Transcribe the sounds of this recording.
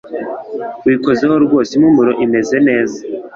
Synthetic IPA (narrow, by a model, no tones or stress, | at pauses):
wiːko̞zehoɾɡwo̞ːsimumuɾoʔime̞ze̞ne̞ːza